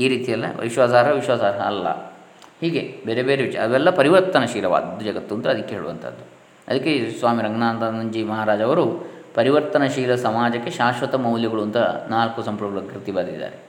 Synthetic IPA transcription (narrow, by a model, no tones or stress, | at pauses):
iːɾiːt̪ijɐlːɐ̰ʋiʃʋaːsaːɾɐʋiʃʋaːsaːɾɐɐːlːɐ̰ | hiːɡebeːɾebeːɾeʋiʃɐj̰ɐʋɛlːɐpɐɾiʋɐɾt̪ɐnɐʃiːlɐʋa̰ːd̪ːud͡ʒɐɡɐt̪ːunt̪ɐd̪ikːeɦeɭuʋɐ̰nt̪ʰɐ̰d̪ːu | ɐd̪ɐkːesʋaːmiɾɐŋɡnaːnd̪ɐnɐɲd͡ʒimɐɦaːɾaːd͡ʒɐʋɐɾu | pɐɾiʋɐɾt̪ɐnɐʃiːlɐsɐmaːd͡ʒɐkːeʃaːʃʋɐt̪ɐmɐwljɐɡɐɭunt̪ɐnaːlkusɐmpuɾɡɐɭukɾit̪ibɐd̪ḭd̪ːa̰ːɾe